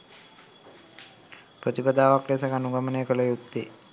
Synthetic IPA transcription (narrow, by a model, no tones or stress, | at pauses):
pɾət̪ipəd̪aːʋaklesakanuɡaməneːkəlejut̪ːe